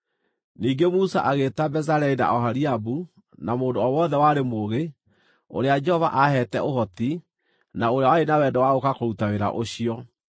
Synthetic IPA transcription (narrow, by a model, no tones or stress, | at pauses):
niːɡemusa̰ʔaɣetabɛzaɾɛina̰ʔɔɦaɾiabu | namoːndoɔwɔðɛwaɾemoɣe | o̰ɾead͡ʒɛhɔva̰ʔahɛtɛʔohɔti | naoɾeawaenawɛndɛwaɣokakoɾutaweɾa̰ʔoɕiɔ